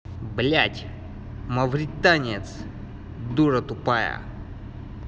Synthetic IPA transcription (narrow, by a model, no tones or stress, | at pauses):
blʲatʲ | mɐvɾʲit̪anʲet̪s | d̪uɾɐt̪upajɐ̰